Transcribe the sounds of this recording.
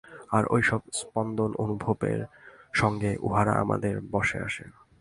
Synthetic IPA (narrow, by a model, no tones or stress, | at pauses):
aɾʔo̰jʃɔb̚spɔnd̪onʔonubʱobḛɾʃɔŋɡeʔuɦaɾa̰ʔa̰ma̰d̪eɾbɔʃea̰ʃḛ